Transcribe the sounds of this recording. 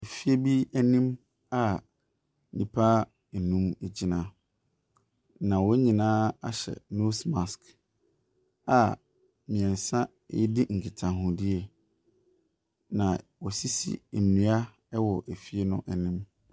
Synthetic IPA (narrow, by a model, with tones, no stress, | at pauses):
e˨fi˦e˦bi˦æ˦nĩ˦m | a˦ | nĩ˨pʰaː˦˨ | nũ˦me˨d͡ʑi˨nã˨ | nã˨wɔ˦ɲĩ˨nãː˦a˦ɕɛ̰˨no˦sma˨sk | a˨ | mĩ˨ɛ̃˨n˨sã˦ | ɪ̰˦dɪ˦ŋ̩˨kʰɪ˨tʰã˨ɦʊ̃˨dɪ˦ɛ˨ | nã˨wɔ˨si˦sḭ˦˨m˨nĩ˨˦a˦ | ɛ˦wɔ˨ʔæ˨fi˦e˦nʊ̃˦ʔæ˨nĩ˦m